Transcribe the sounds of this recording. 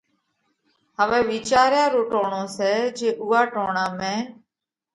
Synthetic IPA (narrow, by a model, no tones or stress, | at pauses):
ɦəʋɛːʋiːt͡ʃaːɾjãːɾoːʈoːɳõːsɛːd͡ʒeːʔʊːaːʈoːɳaːmẽː